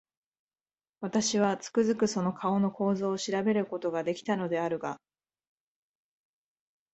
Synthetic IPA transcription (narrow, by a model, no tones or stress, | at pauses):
βat̪aɕiβat͡sɨ̥kɯ̟zɨkɯ̟so̞no̞kʰao̞no̞ko̞ːzo̞ːɕiɾabe̞ɾɯ̟ko̞t̪o̞ɡad̪e̞kʲi̥t̪ano̞d̪e̞aɾɯ̟ɡa